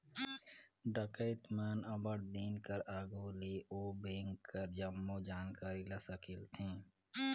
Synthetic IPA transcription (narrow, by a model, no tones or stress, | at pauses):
ɖəkəɪt̪maːnɐbəɽd̪eːnkəɾaːɡoːleːʔoːbẽːŋkːəɾd͡ʒɐmːod͡ʒaːnkaːɾilɐsəkʰɪlt̪ʰẽː